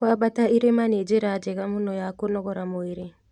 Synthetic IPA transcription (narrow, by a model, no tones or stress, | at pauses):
kabataiɾemaned͡ʒeɾad͡ʒɛɣamunɔjakonɔɣɔɾamoiɾe